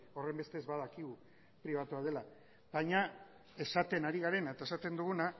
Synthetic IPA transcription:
o̞re̞mbe̞st̪e̞zβað̞akiɣu | pɾiβ̞at̪uað̞e̞la | βajɲa | e̞sat̪e̞naɾiɣaɾe̞naet̪aesat̪e̞nd̪uɣuna

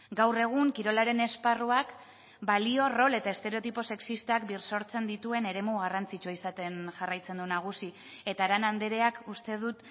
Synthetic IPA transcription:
ɡawre̞ɣ̞uŋkiɾo̞laɾe̞ne̞sparuak | balio̞ro̞le̞t̪ae̞st̪e̞ɾet̪ipo̞se̞ksist̪akbirso̞ɾt͡se̞nd̪it̪ue̞ne̞ɾe̞muɣ̞arant͡sit͡ʃoisat̪e̞nʝarajt͡se̞nd̪unaɣ̞usi | e̞t̪aɾanand̪eɾe̞akust̪e̞ð̞ut̪

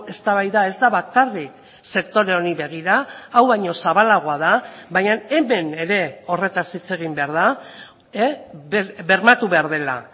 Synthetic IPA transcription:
e̞st̪aβajðaezd̪aβakarik | se̞k̚t̪o̞ɾe̞oniβe̞ɣ̞iɾaːwβaɲo̞saβalaɣ̞oaðaβaɲane̞me̞ne̞ɾe̞o̞re̞t̪asit͡se̞ɣ̞imbe̞aɾð̞a | e | be̞ɾmat̪uβe̞aɾð̞e̞la̰

